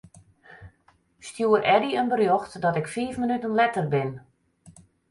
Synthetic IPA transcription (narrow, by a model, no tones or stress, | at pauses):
stjuːəɾʔɛdiənbərjoxtdɔtɪkfiːfmənytənlɛtərbɪn